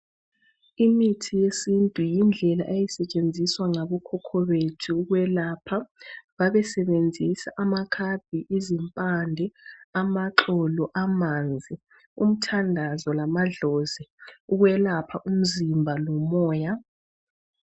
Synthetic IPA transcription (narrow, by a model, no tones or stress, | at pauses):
imitʰijesintʼujind͡ɮʱɛla̰ʔejisɛt͡ʃʼend͡zʱiswaŋaβɔkʰɔkʰɔβetʰuːɣwɛlaːpʰaβaβɛsɛβend͡zʱisa̰ʔamakʰab̥̚ʱiʔizimpʼandʱɛamaǁɔlɔʔamand͡zʱi | ṵm̩tʰandʱazɔlamaɮɔziuɣwɛlapʰaʔum̩zimbʱalɔmɔːja